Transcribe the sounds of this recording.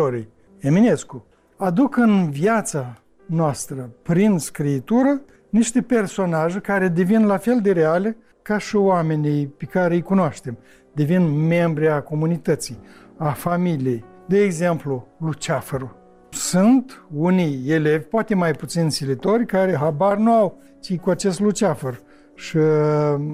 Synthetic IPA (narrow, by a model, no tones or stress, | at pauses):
oɾij | eminesku | ad̪ukɨnvjat̪sa | noast̪ɾəpɾinskɾiːt̪uɾə | niʃt̪e̞pe̞rso̞naʒekaɾe̞d̪e̞vinlafe̞ld̪e̞ɾeale | kaʃioame̞nijpekaɾeɨjkunoaʃt̪e̞m | d̪e̞vinme̞mbɾiako̞munit̪ət̪sij | afamilije̞j | d̪eːɡze̞mplulut͡ʃafəɾu | sunt̪unijele̞vʲpoat̪e̞majput̪sinsilit̪o̞rʲkaɾeɦabarnuaw | t͡ʃikuat͡ʃe̞st̪lut͡ʃafər | ʃi